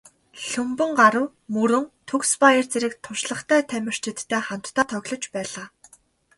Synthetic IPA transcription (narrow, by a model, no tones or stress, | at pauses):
ɬɵmpɵ̆ŋɢaɾə̆w | mɵɾɵ̆ŋt̪ʰɵkspajirt͡seɾɘ̆k̚t̪ʰʊʃɮə̆χt̪ʰæːt̪ʰæmʲɪ̆r̥t͡ɕʰĕt̪ʰːæːχan̥t̪ːʰaːt̪ʰœɣɮɞ̆t͡ɕpæːɮaː